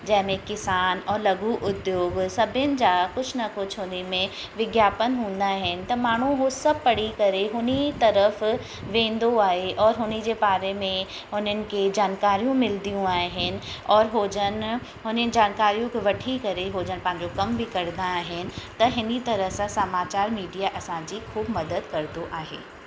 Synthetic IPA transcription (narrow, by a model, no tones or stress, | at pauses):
d͡ʑɐɦɪmẽkɪsaːnɔːɾlɐɡuʔʊd̪joːɡsɐbʱɪnɪ̆d͡ʑaːkʊt͡ɕʰnɐkʊt͡ɕʰɦʊnimẽ | ʋɪɡjaːpənɦũːnd̪aɦɪnɪ̆t̪ɐmaːɳ̤̃ũɦosɐb̚pɐɽ̤ikɐɾeɦʊnit̪ɐɾəf | ʋẽːn̆d̪oaːɦeʔɔːɾɦʊnid͡ʑeːbaːɾemẽ | ɦʊn̤ənɪ̆ked͡ʑaːnkaːɾijũmɪld̪ijũaːɦɪnɪ̆ɔːɾɦoːd͡ʑən | ɦʊnəd͡ʑaːnkaːɾijũkeʋɐʈʰikɐɾeɦoːd͡ʑənpɐ̃ɦɪ̃ɲd͡ʑokɐmbʱikɐɾd̪aːɦɪnɪ̆t̪ɐɦɪnit̪ɐɾəɦsãsɐmaːt͡ɕaːɾmiːɖijaʔɐsãd͡ʑiːxuːbmɐd̪əd̪kɐɾd̪oʔaːɦḛː